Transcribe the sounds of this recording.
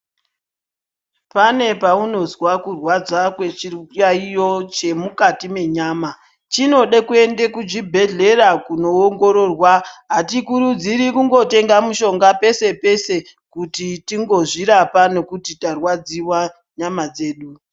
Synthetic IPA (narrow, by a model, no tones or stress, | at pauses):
pane̞pauno̞zwakurwad͡zakwe̞t͡ʃiaijo̞t͡ʃe̞mukatime̞ɲaːma | t͡ʃino̞ɗekue̞nde̞kud͡ʒibʱe̞ɮe̞ɾakuno̞ːŋɡo̞ɾo̞rwaɦatikuɾud͡ziɾikuŋɡo̞te̞ŋɡamuʃo̞ŋɡape̞se̞pe̞se̞ | kutitiŋɡo̞ʐiɾapane̞kutitarwad͡ziwa | ɲamad͡ze̞ːɗu